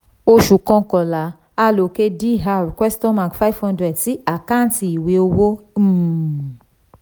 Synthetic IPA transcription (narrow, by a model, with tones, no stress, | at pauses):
o˧ʃu˨kɔ̃˧kɔ̃˨la˨˦ | a˦lo˨ke˧di˦˨ɦa˧ɾkwɛ˦stɔ̃˦ma˨kfa˦i˦˨vhɔ̃˧ndɾɛ˨dti˨˦a˦˨kã˦˨n˦ti˧˨i˨we˨˦o˧wo˦˨